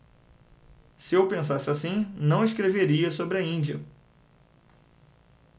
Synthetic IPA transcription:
sɪewpẽsasɪasĩnɐ̃w̃ɪʃkɾeveɾiɐsobɾɪɐĩnd͡ʒiɐ

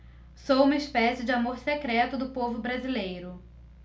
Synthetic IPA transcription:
sowũmɐispɛsɪd͡ʒɪamoɾsekɾɛt̪ʊd̪ʊpovʊbɾazilejɾʊ

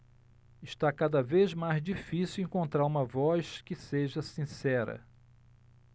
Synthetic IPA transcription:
ɪʃt̪akad̪ɐvezmajzd͡ʒifisiwẽŋkõnt̪ɾaɾũmɐvɔskɪseʒɐsĩsɛɾɐ̰

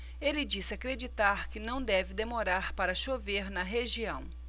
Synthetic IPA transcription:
elɪd͡ʒisɪakɾed͡ʒit̪aɾkɪnɐ̃w̃d̪ɛvɪd̪emoɾaɾpaɾɐʃoveɾnɐɦeʒiɐ̃w̃

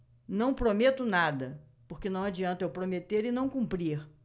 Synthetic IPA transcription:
nɐ̃w̃pɾomet̪ʊnad̪ɐ | poɾkɪnɐ̃w̃ad͡ʒiɐ̃nt̪ɐewpɾomet̪eɾɪnɐ̃w̃kũmpɾiɾ

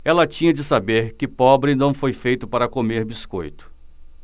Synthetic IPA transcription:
ɛlɐt͡ʃĩɲɐd͡ʒɪsabeɾkɪpɔbɾɪnɐ̃w̃fojfejt̪ʊpaɾɐkomeɾbiskojt̪ʊ̥

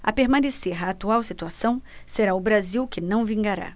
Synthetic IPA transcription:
ɐ̰peɾmɐ̃neseɾaːt̪uawsit̪uasɐ̃w̃seɾaʊbɾaziwkɪnɐ̃w̃vĩŋɡaɾa̰

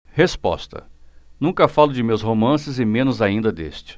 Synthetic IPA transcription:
hespɔ̰st̪ɐ̰nũkɐfalʊd͡ʒɪmewsɦomɐ̃sɪzɪmẽnʊzaĩnd̪ɐd̪ḛst͡ʃɪ̥

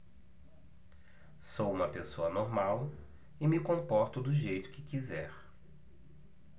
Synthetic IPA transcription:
sowũmɐpesoɐnoɾmaw | ɪmɪkõmpɔɾt̪ʊd̪ʊʒejt̪ʊ̥kɪkizɛɾ

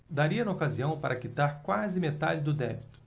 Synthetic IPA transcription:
d̪aɾiɐnɐokaziɐ̃w̃paɾʔɐkit̪aɾkwazɪmet̪a̰d͡ʒɪd̪ʊd̪ɛbit̪ʊ̥

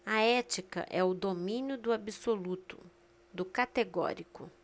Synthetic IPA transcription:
ɐɛt͡ʃikɐ̰ʔɛʊd̪omĩnjʊd̪ʊabisolut̪ʊ | d̪ʊkat̪eɡɔ̰ɾikʊ

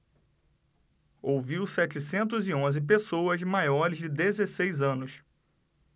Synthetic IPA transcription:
owviwsɛt͡ʃɪsẽnt̪ʊziõzɪp̬esowɐzmajɔɾɪzd͡ʒɪd̪ezesejzɐ̃nʊs

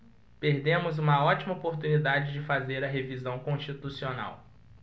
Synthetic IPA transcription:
peɾd̪ẽmʊzũmɐɔt͡ʃimɐopoɾt̪unid̪ad͡ʒɪd͡ʒɪfazeɾɐɦevizɐ̃w̃kõʃt͡ʃit̪usiona̰w

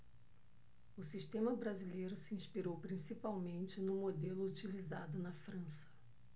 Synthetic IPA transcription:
ʊsiʃt̪ẽmɐbɾazilejɾʊsɪĩspiɾowpɾĩsipawmẽnt͡ʃɪnʊ̃mod̪elʊut͡ʃilizad̪ʊnɐfɾɐ̃sɐ̥

